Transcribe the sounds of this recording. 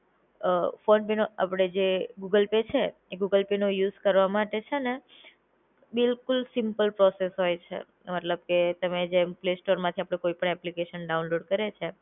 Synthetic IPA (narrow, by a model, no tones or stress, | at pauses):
foɳɖpenoa̰pɽ̃ed͡ʒeɡuɡəlpet͡ʃʰe | eɡuɡəlpenojuzkəɾʋamaʈet͡ʃʰene | bɪlkʊlsɪmpəlpɾɔsesɦojt͡ʃʰḛ | mət̪ləb̚ket̪əmed͡ʒemplesʈoɾmãt̪ʰiapɽ̃ekoipəɳɛplikeʃənɖaunloɖkəɾet͡ʃʰe